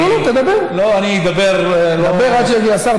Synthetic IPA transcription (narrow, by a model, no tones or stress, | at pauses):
olot̪ed̪abeʁloanid̪abeʁd̪abeʁat͡ʃieɡiasaʁ